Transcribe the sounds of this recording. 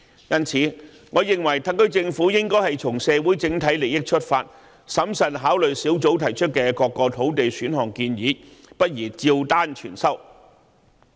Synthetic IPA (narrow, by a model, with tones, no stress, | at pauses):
jɐ˥nt͡sʰiː˨˥ | ŋɔː˨˧jɪ˨˩ŋwɐ˨˩jt̪ʰɐ˥ŋk̪ɵ˥ɥt͡sɪ˧ŋfuː˨˥jɪ˥ŋkɔː˥jhɐ˨jt͡sʰʊ˨˩ŋsɛː˨˧wu˨˥jt͡sɪ˨˥ŋt̪ʰɐ˨˥jle˨˩jɪ˥k̚t͡ʃʰɵ˥t̚faː˧t̚ | sɐ˨˥msɐ˨nɦaː˨˥wlɵ˨jsiː˨˥wt͡so˨˥wt̪ʰɐ˨˩jt͡ʃʰɵ˥t̚kɛː˧kɔː˧kːɔː˧t̪ʰo˨˥wt̪e˨jsyː˨˥nɦɔː˨˩ŋkiː˧njiː˨˥pɐ˥t̚jiː˨˩t͡siː˧wt̪aː˥nt͡ʃʰyː˨˩nsɐ˥w